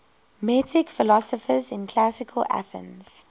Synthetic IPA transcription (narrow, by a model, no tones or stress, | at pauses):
mɛtɪkfɪlɔsəfəzɪ̃nkʰl̥asɪkʰəlʔa̰θə̰̃nz̥